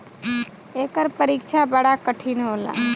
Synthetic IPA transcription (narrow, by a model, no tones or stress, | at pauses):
ekəɾpəɾikt͡ʃʰabaɽakəʈʰinola̰